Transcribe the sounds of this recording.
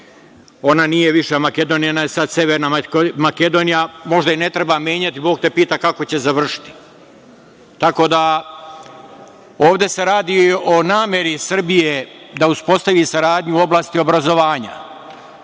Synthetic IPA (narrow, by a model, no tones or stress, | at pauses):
o̞nanije̞ʋiʃamake̞d̪o̞ːnijonajesad̪se̞ʋeɾnamake̞d̪o̞ːnijamo̞ʒd̪aine̞t̪ɾebamjeːɲat̪ibo̞ːɡt̪epiːt̪akako̞t͡ɕe̞zaʋr̩ʃi̥t̪i̥ | t̪ako̞ːd̪a | oːʋd̪e̞se̞ɾaːd̪io̞naːmʲje̞ɾisr̩bijed̪auspo̞st̪aʋiːsaɾaːd̪ɲuo̞blaːst̪io̞bɾazo̞ʋaːɲa̰